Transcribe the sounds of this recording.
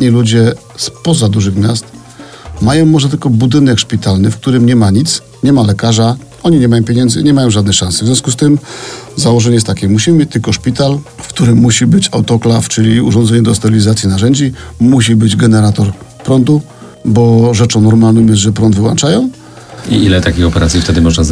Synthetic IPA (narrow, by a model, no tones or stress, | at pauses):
ɲilud͡ʑɛ | spɔzad̪uʐɘxmʲjast̪ | majɔ̃w̃mɔʐɛt̪ɘlkɔbud̪ɘnɛkʂpʲit̪alnɘfk̚t̪uɾɘmɲɛmaɲit̪s | ɲɛmalɛkaʐa | ɔɲiɲɛmajɔ̃w̃pʲjeɲɛnzɘ̰ɲɛmajɔ̃w̃ʐad̪nɛxʂãñsɨvzʲjɔ̃skust̪ɘmzawɔʐɛɲɛjɛst̪ːakʲɛmuɕimɘmjet͡ɕt̪ɘlkɔʂpʲit̪alfkt̪uɾɘmːuɕibɘt͡ɕawt̪ɔklaft͡ʂɘlʲiṵʐɔ̃nd̪zɛɲɛd̪ɔst̪ɛɾilʲizat̪sʲjinaʐɛɲd͡ʑimuɕ̬ibɘd͡ʑɡɛnɛɾat̪ɔɾpɾɔnd̪u | bɔʐɛt͡ʂɔ̃w̃nɔɾmalnɔ̃wmjɛs̬ʐɛpɾɔnd̪vɘwa̰nt͡ʂajɔ̃w̃ | ḭilɛt̪akʲixɔpɛɾat̪sʲjift̪ɛd̪ɘmɔʐna